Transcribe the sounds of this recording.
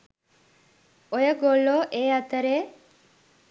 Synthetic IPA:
ojəɡolːoʔeːat̪əɾe

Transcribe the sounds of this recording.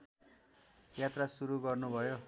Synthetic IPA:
jat̪rasuɾuɡʌrnubʱʌjo

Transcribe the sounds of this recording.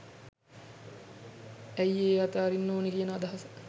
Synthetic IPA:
æjeːaːt̪aːɾinːoːnekiənəad̪ɐɦɐs

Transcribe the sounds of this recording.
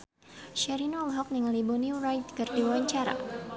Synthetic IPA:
ʃɛɾinolɦɔk̚niŋalibɔnirajt̪̚kɨrdiwawaɲt͡ʃaɾa̰

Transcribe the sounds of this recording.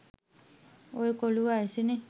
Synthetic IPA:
ojkoluajsine

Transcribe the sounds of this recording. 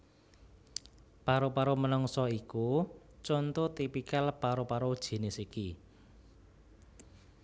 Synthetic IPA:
paɾopaɾomənɔŋsɔiku | t͡ʃɔnt̪ot̪ipikalpaɾopaɾod̥ʒ̥i̤nesiki

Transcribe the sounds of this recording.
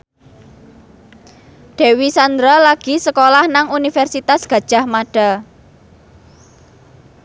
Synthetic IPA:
ɖ̪̥e̤wisand̪ɾalaɡ̥i̤səkolahnaŋunifɛrsit̪asɡ̥ä̤d̥ʒ̥a̤hmaɖ̥a̤

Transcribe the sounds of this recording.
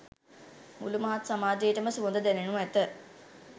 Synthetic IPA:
mṵlumaɦat̪samaːd͡ʒejːʈəməsuond̪əd̪ænenũɛt̪ə

